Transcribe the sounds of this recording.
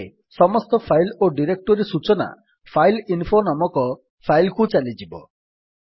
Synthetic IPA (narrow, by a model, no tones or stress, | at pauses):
sɔmɔst̪ɔpʰajloɖiɾek̚ʈɔɾisut͡ʃɔna̰ | pʰajlinpʰonɔmɔkɔ | pʰajlkut͡ʃalid͡ʒibɔ̰